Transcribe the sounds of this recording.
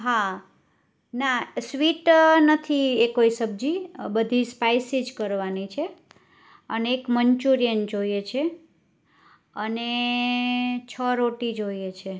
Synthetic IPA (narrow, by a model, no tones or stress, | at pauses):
ɦa | nasʋiʈnət̪ʰiekoisəb̚d͡ʒibəd̪ʱispajsid͡ʒkəɾʋanit͡ʃʰe | əneːkməɲt͡ʃuɾijənd͡ʒojet͡ʃʰe | əne | t͡ʃʰəɾoʈid͡ʒoiet͡ʃʰe